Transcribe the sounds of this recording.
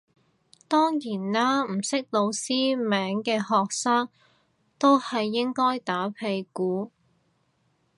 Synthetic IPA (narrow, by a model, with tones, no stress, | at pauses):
t̪ɔː˥ŋjiː˨˩nlaː˥m̩˨˩sɪ˥k̚lo˨˧wsiː˥mɛː˨˥ŋkɛː˧hɔː˨k̚saː˥ŋ | t̪o˥whɐ˨jːɪ˥ŋkɔː˥jt̪aː˨˥pʰe˧jkuː˨˥